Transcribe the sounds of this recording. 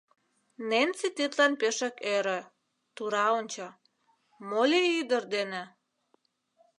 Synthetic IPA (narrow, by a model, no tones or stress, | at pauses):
nent͡sit̪it̪lɑnpeʃĕkeɾĕ | t̪uɾɑonʲt͡ɕɑ | molʲeyd̪ərd̪enĕ